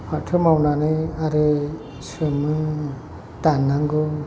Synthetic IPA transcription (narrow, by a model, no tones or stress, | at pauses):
patʰɯmawnanɯaɾɯ | semɯ | tanːaŋɡɯ